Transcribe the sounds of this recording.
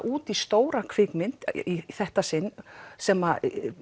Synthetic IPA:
ʔuːt̪ist̪oːwɾakʰv̥ɪkmɪn̥t̪iθɛht̪asɪnːsɛma

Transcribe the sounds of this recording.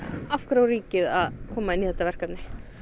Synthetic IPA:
afkɾawɾiːcɪðaðkʰɔːmaɪnːiθɛt̪avɛr̥kapnɪ

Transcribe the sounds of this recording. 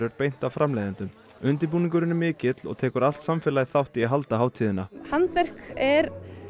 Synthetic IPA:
ɾʏɾpejn̥t̪awfɾʔamlejðɪnt̪ʏm | ʏnt̪ɪɾp̬uːnĩŋk̬ʏɾɪnʏmɪːcɪt̪lɔ̰ɣt̪ʰɛːkʏɾal̥t̪samfɛːlaðɪθawht̪iaɦalt̪aɦaːwt̪ʰiːðɪnahant̪vɛr̥kɛɾ

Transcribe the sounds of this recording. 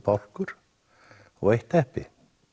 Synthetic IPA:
pawl̥kʏɾ̥ | ɔ̰ɣejht̪ɛhpɪ

